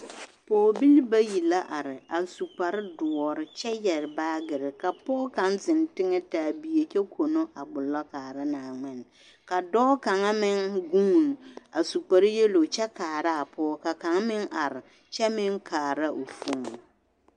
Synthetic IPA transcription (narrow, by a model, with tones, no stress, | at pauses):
poː˨bi˦lba˦ji˨la˦ʔa˨ɾɪ˨a˨su˨k͡pa˨ɾɪ˦dʊ˨ɔ˨ɾɪ˨t͡ʃɛ˦jɛ˨ɾɪ˨baː˦ɡɪ˨ɾɪ˨ka˨pɔː˦ka˦nzɪ˨ntɪ˦ŋɛ˦taː˨bi˨je˨t͡ʃɛ˦kʰo˨no˦ʔa˨ɡ͡bʊ˨lɔ˦kaː˨ɾa˦naː˨ŋ͡mɪ˦n˨ | ka˨dɔ˦ka˨ŋa˦mɪ˦ŋɡu˦˨n˨a˨su˨k͡pa˨ɾɪ˦je˦lo˨t͡ʃɛ˦kaː˨ɾa˦a˨pɔː˦ka˨ka˨ŋa˦mɪ˦ŋʔa˨ɾɪ˨ | t͡ʃɛ˦mɪ˦ŋkʰaː˨ɾa˦ʔo˨fu˦mo˨